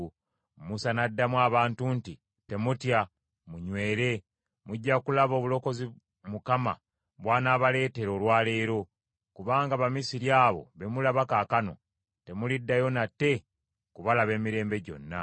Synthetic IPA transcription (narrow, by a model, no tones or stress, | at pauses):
musanadːamwaːβaːntunti | te̞mutja | muɲwe̞ːɾe̞ | muɟːakulaβo̞ːβulo̞ko̞zi | mukama̰ | βwaːnaːβale̞ːte̞ɾo̞ːlwaːle̞ːɾo̞ | kuβaːŋɡaβamisiɾjaːβo̞̰βe̞mulaβakaːkano̞̰ | te̞mulidːajo̞nate̞ | kuβalaβe̞ːmiɾe̞ːmbe̞ɟo̞̰nːa̰